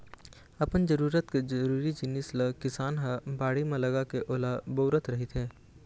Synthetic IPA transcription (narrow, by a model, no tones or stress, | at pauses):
ɐpənd͡ʒəɾuːɾət̪ked͡ʒəɾuːɾid͡ʒɪnɪsləkɪsaːnɦəbaːɽimẽlɐɡakeʔoːlaboːɾət̪ɾɐɦit̪ɦɛː